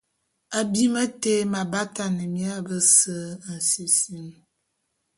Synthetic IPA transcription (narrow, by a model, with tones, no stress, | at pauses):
a˨bi˦mə˦te˦ma˨ba˦ta˨nə˨mja˦bə˦sə˦˨n̩˨si˨si˦m